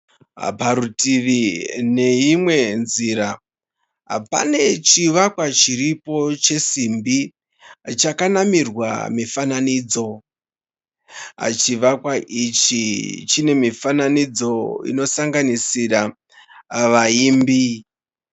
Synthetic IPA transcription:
ɦpaɾutiʋine̞imwe̞nziɾa | ɦa̰pa̰ne̞t͡ʃiʋakwat͡ʃiripo̞t͡ʃe̞simbi | t͡ʃakanamirwa̰mifananid͡zo̞ | a̰t͡ʃiʋakwaʔit͡ʃit͡ʃine̞mifananid͡zo̞ḭno̞saŋɡanisira | ʋaiːmbi

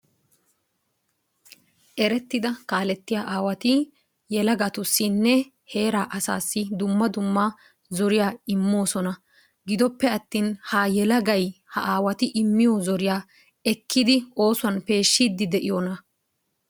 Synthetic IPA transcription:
ʔɛɾɛt̪ːɪd̪ɐkaːlɛt̪ːɪjaːʔaːwɐt̪ɪ | jɛlɐɡɐt̪ʊsːɪnːɛ | he̞ːɾaːʔɐsa̰ːsːɪd̪ʊmːɐd̪ʊmːa | zɔɾɪjaːɪmːo̞ːsɔnɐ | ɡɪd̪ɔpːɛɐt̪ːiːnhajɛlɐɡɐjhɐʔaːwɐt̪ɪʔɪmːɪjɔzɔɾɪjaː | ɛkːɪd̪ɪo̞ːsʊɐnpe̞ːʃːid̪ːɪd̪ɛʔɪjonɐ

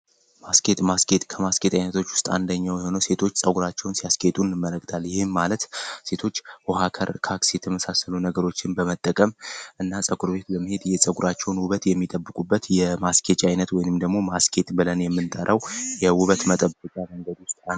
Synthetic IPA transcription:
maske̞t̪ʼmaskʰe̞t̪ʼkʰəmaske̞t̪ʼajnət̪ʰo̞t͡ʃːwʊ̥st̪ʼa̰nd̪əɲːawjɛho̞nəwse̞t̪ʰo̞t͡ʃːsʼəɡuɾat͡ʃːɛwnsijaskʰʼe̞t̪ʼunɨmːələk̚ʼt̪ʰalːjɪhɪmːalət̪se̞t̪ʰo̞t͡ʃːhohakʰəɾkʰaksjɛt̪ʰəməsasəlunəɡəɾo̞t͡ʃːɪnbəmət̪ʼːəkʼəmʔɨnːasʼəkʼuɾbe̞t̪bəmːɨhe̞d̪jɛsʼəɡuɾat͡ʃːɛwnwuβət̪jɛmːit̪ʼəbːɨkʼubːət̪jɛmaskʰe̞t͡ʃʼajnət̪wɔjɪnɨmd̪əɡmo̞maskʰe̞t̪ʼbɨlənjɛmːɨnt̪ʼəɾʔəwjɛwʊβət̪mət̪ʼəbəkʼaməŋɡəd̪wʊst̪ʼ

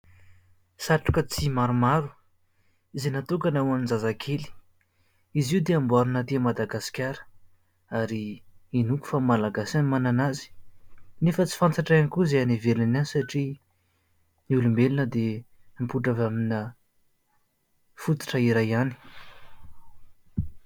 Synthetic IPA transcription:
saʈ͡ʂu̥kət͡simaɾumaɾu | izenat̪ukanawanizazakʰeli̥ | iziuwd̪eambuaɾunət̪emad̪aɡasi̥kʲaɾə̥ | aɾiːnuku̥famalaɡasanimananazi̥nefət͡si̥fant͡saʈ͡ʂaanikuzeanivelananisaʈ͡ʂi | niulumbelinəd̪empuʈ͡ʂavaminə | fut̪u̥ʈ͡ʂəiɾajani̥

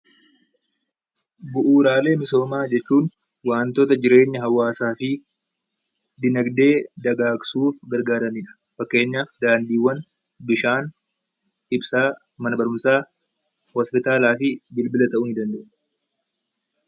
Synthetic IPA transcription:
bʊʔuːɾaːle̞ːmɪso̞ːmaːd͡ʒɛt͡ʃːuːn | waːnt̪oːt̪ɐd͡ʒɪɾe̞ːɲːɐɦɐwːaːsaːfɪ | d̪ɪnɐɡd̪e̞ːd̪ɐɡaːɡsuːfɡɐɾɡaːɾɐniᶑɐ̥ | fɐkːe̞ːɲːaːfd̪aːnd̪iːwːɐn | bɪʃaːn | ɪbsaː | mɐnɐbɐɾʊmsaː | hɔspɪt̪aːlaːfɪbɪlbɪlɐt̪ɐʔʊnɪd̪ɐnd̪ɐʔʊ

